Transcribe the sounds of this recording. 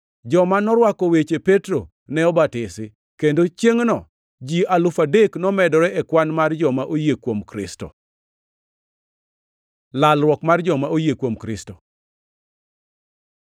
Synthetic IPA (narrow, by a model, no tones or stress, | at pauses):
d͡ʒɔmanɔɾwakɔwet͡ʃepetɾo | nɛɔbatɪsɪ | kendot͡ʃjeŋnɔ̰ | d͡ʒialʊfadeknɔmɛdɔɾɛʔɛkwanmard͡ʒɔmaʔojekwomkɾɪ̰sto̰ | lalɾwɔkmard͡ʒɔmaojekwomkɾɪsto